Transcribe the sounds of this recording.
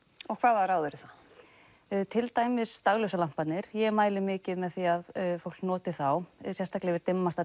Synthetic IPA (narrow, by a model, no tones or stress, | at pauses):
ɔɣkʰvaːðaɾaːwðʏɾɪθa | t̪ʰɪlt̪aːjmɪst̪aɣlœwsalam̥pat̪nɪɾ̥jɛmaːjlɪmɪːcɪðmɛðθiaðfowl̥knɔːt̪ɪθawsjɛst̪ʰaklɪvɪɾt̪ɪmːast̪a